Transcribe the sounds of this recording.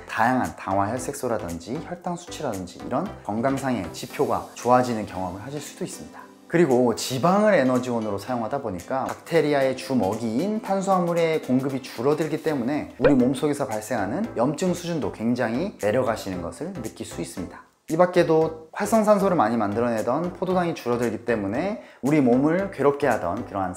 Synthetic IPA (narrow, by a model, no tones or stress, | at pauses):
tajaŋɦantaŋwaçjʌɭs͈e̞k̚s͈oɾadʌnd͡ʑiçjʌɭt͈aŋsʰu̥t͡ɕʰiɾadʌnd͡ʑḭːɾʌnkʌŋɡaŋsʰaŋe̞̰t͡ɕipʰjoɡa̰t͡ɕoad͡ʑinɯnkjʌŋʌmɯɭɦaɕʰiɭs͈ud̥ois͈ɯmɲid̥ḁ | kɯɾiɡot͡ɕibaŋɯɾe̞nʌd͡ʑiwʌnɯɾosʰajoŋɦadaboɲik͈aak̚tʰe̞ɾiae̞t͡ɕumʌɡiːntʰansʰuɦaŋuɾekoŋɡɯbit͡ɕuɾʌdɯɭɡit͈e̞mune̞uɾimomsʰoɡe̞sʰʌpaɭs͈e̞ŋɦanɯnjʌmt͡ɕ͈ɯŋsʰud͡ʑundokwe̞ŋd͡ʑaŋɦine̞ɾjʌɡaɕʰinɯnɡʌ̰sʰɯɭnɯk͈iɭs͈uis͈ɯmɲidḁ | ibak͈̚e̞doɸwaɭs͈ʰʌŋsʰansʰoɾɯɭmaɲimandɯɾʌne̞dʌnpʰododaŋit͡ɕuɾʌdɯɭɡit͈e̞mune̞ | uɾimomɯɭkɥwe̞ɾop̚k͈e̞ɦadʌnkɯɾʌŋɦan